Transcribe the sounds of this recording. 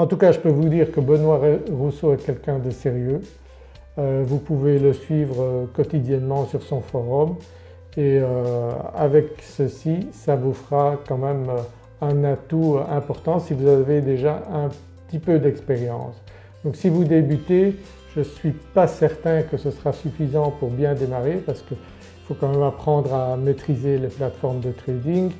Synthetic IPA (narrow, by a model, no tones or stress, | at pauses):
ɑ̃t̪ukaʒəpøvud̪iːʁkəbənwaeʁusoɛkʲɛlkʲɛ̃d̪əseʁjø | øvupuveləsɥiːvʁəkɔt̪id̪jɛnmɑ̃syʁsɔ̃fɔʁɔm | eøa̰vɛksəsisavufʁakɑ̃mɛm | ɛ̃nat̪uɛ̃pɔʁt̪ɑ̃sivuzaved̪eʒaɛ̃pəət̪ipød̪ɛkspeʁjɑ̰̃ːs | d̪ɔ̃ksivud̪ebyt̪e | ʒəsɥipasɛʁt̪ɛ̃kəsəsʁasyfizɑ̃puʁbjɛ̃d̪emaʁepaʁsə̥kə | ifokɑ̃mɛmapχɑ̃d̪ʁamet̪χizeleplat̪fɔʁmd̪ət̪χed̪iŋ